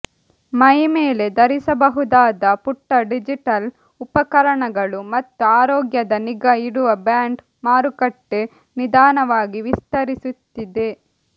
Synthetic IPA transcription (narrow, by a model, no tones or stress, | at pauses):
mɐjmeːle̞d̪ɐɾisɐbɐɦud̪aːd̪ɐpuʈːɐɖid͡ʒiʈɐl | upɐkɐɾɐɳɐɡɐɭumɐt̪ːuaːɾɔːɡjɐd̪ɐniɡɐiɽuʋɐbaːɳɖ | maːɾukɐʈːe̞ | nid̪aːnɐʋaːɡiʋist̪ɐɾisut̪ːid̪e̞